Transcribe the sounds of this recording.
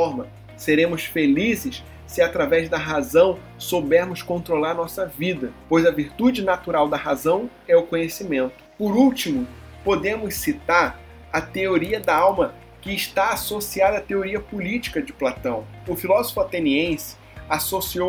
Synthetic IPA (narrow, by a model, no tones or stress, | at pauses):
ɔɾmɐ | seɾẽmʊsfelizɪʃ | sɪat̪ɾavɛzd̪ɐɦazɐ̃w̃ | sobɛɾmʊskõnt̪ɾolaɾnɔsɐvid̪ɐpojzɐviɾt̪ud͡ʒɪnat̪uɾawd̪ɐɦazɐ̃w̃ | ɛʊkõɲesimẽnt̪ʊ̥pʊɾuwt͡ʃimʊ | pod̪ẽmʊssit̪aɾ | ɐt̪eoɾiɐd̪ɐawmɐ | kɪːʃt̪aːsosiad̪ɐːt̪eoɾiɐpolit͡ʃi̥kɐd͡ʒɪplat̪ɐ̃w̃ʊfilɔzofʊat̪ẽniẽsɪ̥ | asosio